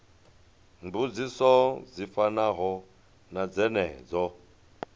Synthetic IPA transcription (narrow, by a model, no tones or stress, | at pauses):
mbud͡zisɔzifanaɦɔ | nad͡zɛnɛ̰ːd͡zɔ